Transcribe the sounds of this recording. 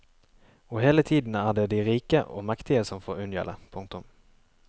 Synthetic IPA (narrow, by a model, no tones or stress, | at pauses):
ɔɦeːlət̪ʰiːd̪ənæːɖɛd̪ɪɾiːkəʔɔ̰makt̪ɪɡəsɔmfoːɾɵnjɛ̰lə̰pʰɵŋk̚t̪ʊm